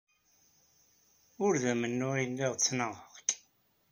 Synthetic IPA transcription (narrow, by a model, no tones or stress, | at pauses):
ʊɾðæmənːʊɾilːiʁt͡sːnəʁəʁk